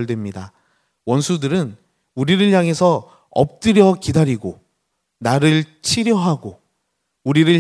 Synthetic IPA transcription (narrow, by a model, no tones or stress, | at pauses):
ɭdwe̞mɲida | wʌnsʰudɯɾɯn | uɾiɾɯɭjaŋe̞sʰʌ | ʌ̰p̚t͈ɯɾjʌkidaɾiɡo | naɾɯɭt͡ɕʰiɾjʌɦaɡo | uɾiɾɯɭ